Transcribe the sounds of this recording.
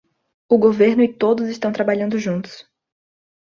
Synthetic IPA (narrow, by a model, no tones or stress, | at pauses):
ʊɡoveɾnʊɪt̪od̪ʊzɪst̪ɐ̃w̃t̪ɾabaʎɐ̃nd̪ʊʒũnt̪ʊ̥s